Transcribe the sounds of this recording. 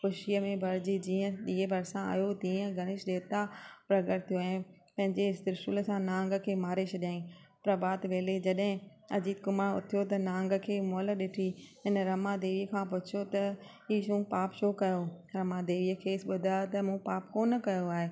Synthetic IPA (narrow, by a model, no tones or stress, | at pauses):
xʊʃijəmẽbʱɐɾd͡ʑid͡ʑiːə̃ɗiːɦebʱɐɾsãa̰ːjot̪iːə̃ɡʱɐɽ̃ɪʃɗeːt̪apɾɐɡəɾt̪ʰijoɛ̃ː | pɐ̃ɦɪ̃ɲd͡ʑeɪsɪɾʃulsãnãːŋɡəkʰeːmaːɾet͡ɕʰɐɗjãːĩpɾɐbaːt̪ʋeːled͡ʑɐɗɦɪ̃ | ɐd͡ʑiːd̪̚kʊmaːɾʊ̰t̪ʰijot̪ɐnãːŋɡə̆kʰeːmoːləɗɪʈʰiɦɪnəɾɐmad̪eːʋiːəkʰãːpʊt͡ɕʰot̪ɐ | iːʃũpaːpʃoːkɐjoɾɐmad̪eːʋijəkʰeːsɓʊd̪ʱat̪ɐmũpaːpkoːnɐkɐjoaːɦeː